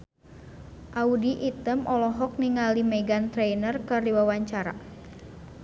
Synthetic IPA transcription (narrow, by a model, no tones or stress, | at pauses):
ʔaudiʔit̪əmʔɔlɔɦɔk̚niŋalimɛɡant̪ɾɛjnərkɨrdiwawaɲt͡ʃaɾa̰